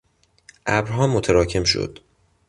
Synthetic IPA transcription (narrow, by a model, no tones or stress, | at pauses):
ʔæbɾɦɒːmot̪ʰæɾɒːcʰe̞mʃo̰d̪̥